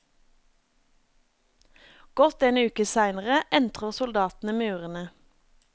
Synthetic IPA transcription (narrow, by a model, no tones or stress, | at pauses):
ɡ̥ɔt̪eːnʉːkəsæɪnəʁəʔɛnt̪ʁəʁsʊld̪ɑːt̪n̩əmʉːʁənə